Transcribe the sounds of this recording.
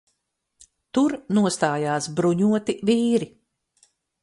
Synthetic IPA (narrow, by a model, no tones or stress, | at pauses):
t̪uɾnuɔst̪aːjaːsbɾuɲuɔt̪iviːɾi